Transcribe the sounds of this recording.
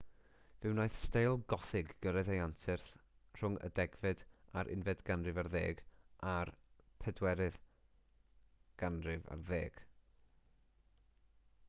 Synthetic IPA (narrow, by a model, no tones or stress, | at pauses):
vɨwnajθstejlˠɡɔθɪɡːəɾɛðejantʰɪrθr̥ʊŋə̰dɛɡvɨdaɾʔɪ̰nvɛdɡanrɨvarðeːɡʔarpʰɛdwɛɾɨð | ɡ̥anrɪva̰rðeːɡ̥